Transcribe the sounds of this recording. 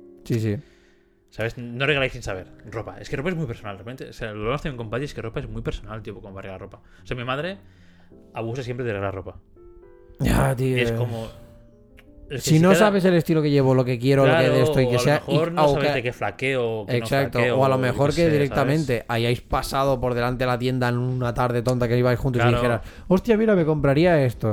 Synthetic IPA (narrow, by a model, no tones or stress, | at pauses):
sis̬i | saβesnoreɣlajsinsaβe̞ɾropae̞skero̞pae̞zmwujpeɾsonald̪repent̪eosealomast̪amjeŋko̞mpaieskero̞paezmwujpeɾsonalt̪iopokomoβareɣaropa | oseamimaðɾe̞ | aβusasjempɾeðerelaropa | at̪ioekomo | elsinosaβe̞s̬e̞le̞st̪ilo̞ke̞ʝe̞βolo̞ke̞kje̞ɾolokeðeest̪oikeseainwβekeflakeokekosakt̪oeoalo̞me̞xo̞ɾkeðiɾekt̪amẽnt̪e̞ʔaʝajspasaðopo̞ɾðe̞lant̪e̞elat̪je̞nd̪aenũnat̪aɾðe̞t̪o̞nt̪akeiβajsxũnt̪osiðixeɾas | o̞st̪jamiɾame̞ko̞mpɾaɾiae̞st̪o